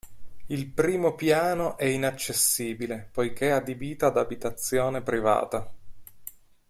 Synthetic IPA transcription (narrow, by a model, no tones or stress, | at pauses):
ilpɾiːmopjaːnoʔɛinat͡ʃːesːiːbilepojk̟ead̪ebiːt̪aːd̪abit̪at̪sːjoːnepɾiva̰ːt̪a